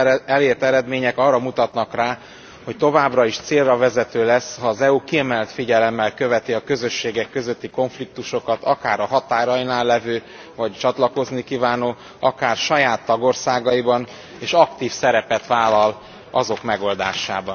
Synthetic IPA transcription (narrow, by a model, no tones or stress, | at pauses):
ɛleːrt̪ɛɾɛd̪meːɲɛkɒrːɒmut̪ɒt̪nɒkraː | ho̞c̚t̪o̞vaːbrɒiʃt̪seːrrɒvɛzɛt̪øːlɛshɒːzɛukiɛmɛlt̪fiɟɛlɛmːɛlkøvɛt̪iɒkø̞zøʃːeːɡɛkːø̞zø̞t̪ːiko̞ɱflik̚t̪uʃo̞kɒt̪ɒkaːɾɒɦɒt̪aːɾɒjinaːlːɛvøː | vɒct͡ʃɒt̪lɒko̞znikiːvaːnoː | ɒkaːrʃɒjaːt̪ːɒɡo̞rsaːɡɒibɒn | eːʃɒkt̪iːfsɛɾɛpɛt̪ʋaːlːɒl | ɒzo̞kmɛɡo̞ld̪a̰ːʃa̰ːbɒn